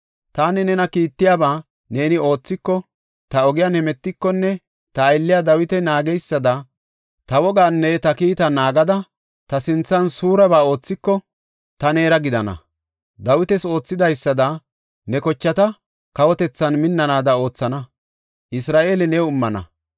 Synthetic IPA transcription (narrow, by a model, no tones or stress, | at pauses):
t̪aːnɛnɛnɐkiːt̪ːɪjabaː | ne̞ːnɪo̞ːt͡sːɪkːɔ | t̪ɐɔɡɪjaːnhɛmɛt̪ːɪkːɔnːɛ | t̪ɐːjlːɪjad̪ɐwɪt̪ɛnaːɡɛjsːɐd̪ɐ | t̪ɐwɔɡaːnːɛt̪ɐkiːt̪ɐnaːɡɐd̪ɐ | t̪ɐsɪnt͡sːɐnsuːɾɐbaːo̞ːt͡sːɪkːɔ | t̪ɐne̞ːɾɐɡɪd̪ɐnɐ̰ | d̪ɐwɪt̪ɛso̞ːt͡sːɪd̪ɐjsːɐd̪ɐ | nɛkɔt͡ʃːɐt̪ɐ | kɐwɔt̪ɛt͡sːɐnmɪnːɐnaːd̪ɐo̞ːt͡sːɐnɐ | ʔɪsɾaːʔe̞ːlɪnɛʊmːɐnɐ̰